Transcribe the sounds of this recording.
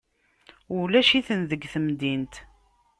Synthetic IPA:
ulæʃiθənðəɡθəmd̪int̪

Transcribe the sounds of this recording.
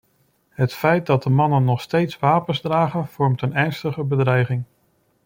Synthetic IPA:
ɦətfɛjt̚dɑd̚əmɑnənːɔχstejtsʋaːpənzdraːχənv̥ɔɹmtənɛɹnstəχəbədrɛjχɪŋ

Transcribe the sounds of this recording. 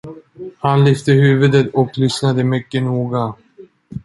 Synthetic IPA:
hanlʏft̪əhʉːvəd̪ət̪ɔklʏsnad̪əmʏkːənuːɡa

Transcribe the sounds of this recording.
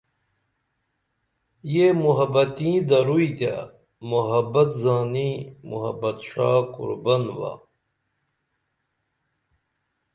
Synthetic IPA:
jemuɦɐbɐt̪ĩːd̪ɐɾuid̪a̰ | muɦɐbɐt̪zaːnimṵɦɐ̰bɐt̪ʂaːkṵɾbɐnwa̰

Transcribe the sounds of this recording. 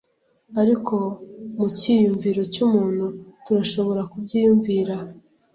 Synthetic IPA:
aɾiko̞mucijuɱviɾo̞cumuːn̥hutuɾaʃo̞βo̞ɾakubɟiːjuɱviːɾa

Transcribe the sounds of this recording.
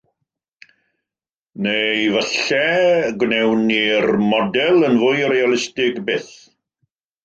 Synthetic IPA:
nevəɬɛɡwnɛwnːirmɔdɛlˠənvʊjɾealˠɪstɪɡbɪːθ

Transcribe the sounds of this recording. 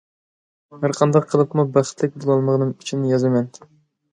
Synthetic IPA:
hæɾqʰɑnd̪ɑqʰːəlˠɨpmubæχt̪lɪk̚ʲbolˠɑlˠməʁnɨŋy̥t͡ʃʰinɪjɑzɨmɛn

